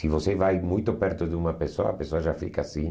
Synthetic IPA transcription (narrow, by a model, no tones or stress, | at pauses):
sivosevajmujt̪opɛɾt̪od̪umapesoa̰apesoaʒafikasĩ